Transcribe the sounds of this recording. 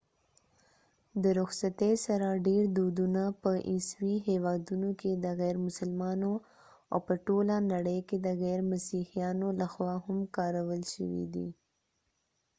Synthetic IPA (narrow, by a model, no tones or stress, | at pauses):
d̪əɾʊxsat̪esaɾaɖeɾd̪od̪unapəʔiswiɦewɑd̪unoked̪əɣɛɾmʊsəlmɑno | a̰wpəʈolanaɽəjked̪əɣɛɾmasihijɑnolaxwɑhʊmkɑɾawəlʃə̰wḭd̪ḭ